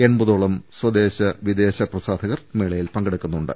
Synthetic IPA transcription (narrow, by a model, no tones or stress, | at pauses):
e̞ɳbɐðoːɭɐmswɐd̪e̞ːɕɐʋid̪eːɕɐprɐsaːd̪ʱɐɣɐrmeːɭɐjilpɐŋɡɐɽukʲːunːuɳɖɨ̰